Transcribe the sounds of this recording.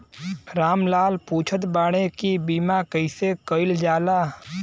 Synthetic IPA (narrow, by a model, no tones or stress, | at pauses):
ɾaːmlaːlpuːt͡ʃʰət̪baːɽ̃ekibiːmakəɪsekəɪld͡ʒaːlaː